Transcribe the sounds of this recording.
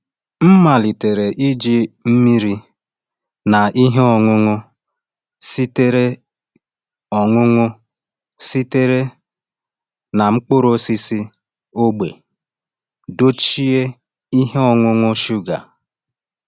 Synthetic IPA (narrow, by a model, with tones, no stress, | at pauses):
m̩˦ma˨li˨te˨ɾe˨ʔi˦d͡ʒi˦m̩˦mi˦ɾi˦ | na˨i˦ɦe˦ɔ˨ŋʊ˦ŋʊ˦ | si˦te˦ɾe˦ | ɔ˨ŋʊ˦ŋʊ˦ | si˦te˦ɾe˦ | na˨ŋ͡m̩˦k͡pʊ˦ɾo˦si˦si˦ | o˦ɡ͡be˨ | do˦t͡ʃi˦e˦ | i˦ɦe˦ɔ˨ŋʷʊ˦ŋʊ˦ʃu˦ɡa̰˨